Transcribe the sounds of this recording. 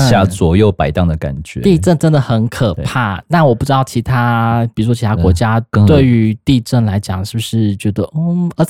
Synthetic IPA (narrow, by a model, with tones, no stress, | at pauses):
ja˥˩t͡swɔ˧˥˦jo˨˩ʊpa˨˩ɪt̪ɑ˥˩ŋd̪ə˩ka̰˨˩nt͡ɕɥɛ˧˦t̪i˥˧ʈ͡ʂə˥˩nʈ͡ʂə˥nd̪ə˨˩xə˧˥nkʰə˨˩pʰa˥˩na˥˩wɔ˨˩pu˥˩ʈ͡ʂɻ̩˥d̪ɑ˥˩ʊt͡ɕʰi˧˥t̪ʰa˥pi˨˩u˧˥ʂwɔ˥t͡ɕʰi˧˥a˥kwɔ̰˧˥t͡ɕja˥t̪we˥˩ɪy˧˥t̪i˥˧ʈ͡ʂə˥˩nla˧˥ɪt͡ɕjɑ̰˨˩ŋʂɻ̩˥˩bu˩ʂɻ̩˥˩t͡ɕɥɛ˧˥d̪ə˧˥˩ə˧˥